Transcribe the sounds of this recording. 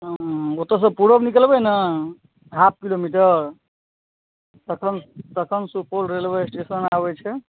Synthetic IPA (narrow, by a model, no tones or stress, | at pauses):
ot̪əs̬əpuɽəbnikəlbəjnə | ɦap̚ʰkilomiʈəɾ | t̪əkʰənt̪əkʰənsupʰolɾelbəɾesʈesənabɛt͡ʃʰɛ